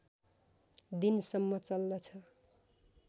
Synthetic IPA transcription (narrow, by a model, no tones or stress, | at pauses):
d̪insʌmːʌt͡sʌlːʌt͡sʰʌ